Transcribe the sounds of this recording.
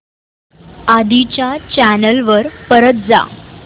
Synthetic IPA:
ad̪it͡ɕjat͡ɕænəlʋəɾpəɾət̪̚d͡za̰

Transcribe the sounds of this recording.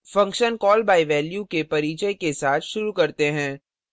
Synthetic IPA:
fɐ̃ŋkʃənkɔːlbaːiʋɛːljukepɐɾiːt͡ʃəjkesaːt̪ʰʃʊɾukɐɾt̪eɦɛ̃ː

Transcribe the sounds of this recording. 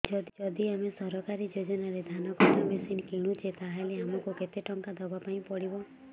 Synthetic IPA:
d͡ʒɔd̪d͡ʒɔd̪iamesɔɾɔkaɾid͡ʒod͡ʒɔnaɾed̪ʱanɔkɔt̪amesinkiɽ̃ũt͡ʃʰet̪aɦeleamɔkuket̪eʈɔŋkad̪ɔbapaĩpɔɽibɔ

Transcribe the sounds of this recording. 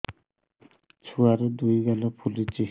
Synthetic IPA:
t͡sʰuaɾɔd̪ujɡalɔpʰulit͡ʃi

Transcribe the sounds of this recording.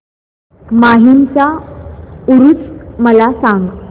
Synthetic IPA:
maɦint͡sa | uɾut͡sməlasaŋɡ

